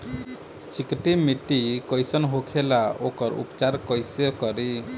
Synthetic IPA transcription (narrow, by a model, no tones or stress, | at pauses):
t͡ʃikiʈimiʈikojsɔnɦokʰelaokɔɾṵpt͡ʃaɾkɔjsɔkɔɾi